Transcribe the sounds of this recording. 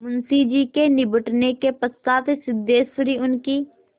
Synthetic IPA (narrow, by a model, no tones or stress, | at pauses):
mʊnsiːd͡ʒiːkenɪbəʈnekepəst̪aːt̪esɪd̪eːsəɾiːʊnkiː